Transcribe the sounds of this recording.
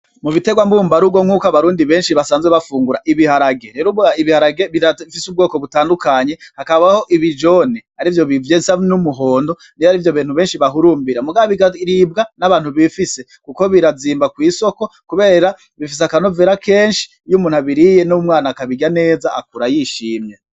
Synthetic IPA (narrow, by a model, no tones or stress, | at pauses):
muβite̞ɡwambuːmbaɾuɡwoŋ̥ukaβaɾuːndiβe̞ːnʃiβasaːnzɡeβafuːŋɡuɾaʔiβihaɾaɡeɾeɾuβaiβihaɾaɡeβiaifisub̚ɡoːko̞βutaːndukaɲe̞hakaβaho̞ʔiβid͡ʒo̞nehaɾivjo̞βivjesanumuɦo̞ːndo̞ | niaɾivjo̞βiːn̥huβe̞ːnʃiβaɦuɾuːmbiɾamuɡaβiiɾibɡanaβaːn̥huβifisekuko̞βiɾaziːmbakwiːso̞ko̞kuβe̞ːɾa | βifis̬akanoveːɾakeːnʃi̥ | jumuːn̥haβiɾijenomŋaːnakaβiɡɟane̞ːzaʔa̰kuɾajiʃiːmje